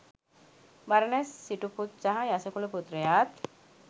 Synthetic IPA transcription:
baɾɐnesːiʈuput̪̚d͡ʒaɦajasekuleput̪ːɾejaːt̪

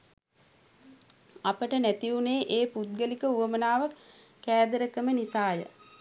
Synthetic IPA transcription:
apəʈənæt̪iuneːʔeːput̪̚ɡəlikəuʋəmənaːʋakː | æːd̪əɾəkəmənisaːjə̰

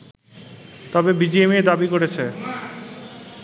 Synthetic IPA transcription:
t̪ɔbebid͡ʑiemed̪abikoɾet͡ɕʰe

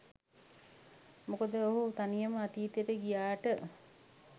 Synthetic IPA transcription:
mukod̪əoɦut̪anijəməat̪iːt̪jeʈəɡijaːʈə

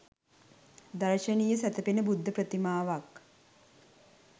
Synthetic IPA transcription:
d̪aɾʃənijəsæt̪əpenəbud̪ʱːəpɾət̪imaːʋak

